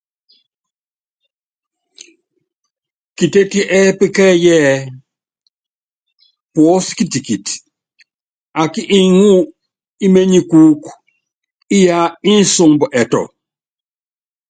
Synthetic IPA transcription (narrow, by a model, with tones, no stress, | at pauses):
ki˨te˦ti˦ʔɛ˦pe˦kɛ˦jɛ˦˨ | pwɔ˨˦ski˦ti˨ki˨t | a˨ki˦ʔi˦ŋu˦ | i˦me˦ɲi˨kuː˦k | i˦ja˦i˦n̩˦so˨ŋbɔ˨ʔɛ˨tɔ̰˨